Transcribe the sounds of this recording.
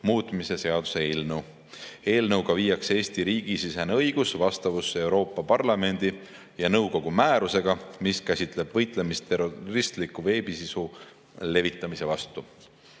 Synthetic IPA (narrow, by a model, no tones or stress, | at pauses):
muːt̪ˑmise̞se̞ɑd̪̥use̞eːlnɤw | e̞ːlnɤwɡ̥ɑviːjːɑkse̞ːst̪iɾiːɡ̥isisenɤ̞jɡ̥usvɑst̪ɑvusːe̞wɾo̞ːpːˑɑpɑrlɑme̞nd̪̥i | jɑnɤwko̞ɡ̥umæːɾuse̞ɡ̥ɑmiskæsʲit̪ˑle̞b̥vɤjt̪ˑle̞mist̪eɾorist̪likːuve̞ːbisisu | le̞vit̪ˑːɑmise̞vɑst̪u